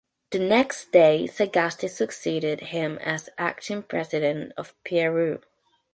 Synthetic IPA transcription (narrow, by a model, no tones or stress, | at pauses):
ðənɛksd̥eɪsəɡastisəksiːɾɪd̚ɪ̃mə̰zʔa̰k̚tə̃npʰɹ̥ɛzɪɾə̃ntə̰v̥pʰiɹʉ